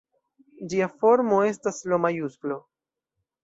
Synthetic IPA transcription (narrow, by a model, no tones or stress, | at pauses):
d͡ʒiafo̞ɾmo̞e̞staslomajusɡlo̞